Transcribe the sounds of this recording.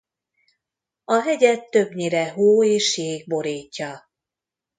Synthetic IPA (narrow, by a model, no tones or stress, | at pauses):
ɒɦɛɟɛt̪ːøbɲiɾɛɦoːeːʃjeːɡ̚bo̞ɾiːcːɒ